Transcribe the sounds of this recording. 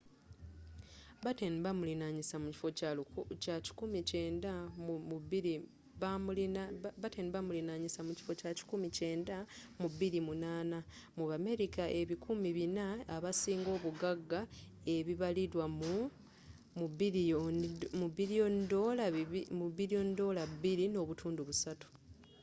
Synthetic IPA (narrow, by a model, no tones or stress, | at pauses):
βatenβamulinaɲisamuci̥focacaci̥kumiceːndaβiɾi | βamlβateniβamulinaɲisamuci̥fo̞caci̥kumice̞ːndamuβiɾimunaːna | muβame̞ɾikaʔe̞βikʰumiβinaːβasiːŋɡo̞ːβuɡaɡːa | e̞βiβaliɾwamu | muβi | muβiɾijo̞ndo̞laimuβiɾijo̞ndo̞ːlauβiɾino̞ːβutʰuːnduβusatu̥